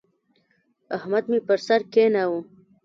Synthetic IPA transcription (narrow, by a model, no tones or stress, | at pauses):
ahmad̪mepəɾsaɾkenawu